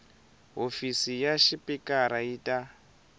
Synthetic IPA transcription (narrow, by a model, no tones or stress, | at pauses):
ɦofisijaʃipʼikʼaɾaiːtʼa